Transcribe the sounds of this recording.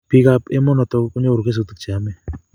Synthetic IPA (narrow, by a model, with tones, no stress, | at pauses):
pi˦ka˧pe˦mɔ˦nɔ˨t̪ɔ˧kku˦ɲo˦o˨ɾu˨kʰe˦s̬u˨t̪ɨ˨k̚t͡ʃʰe˨a˨me˦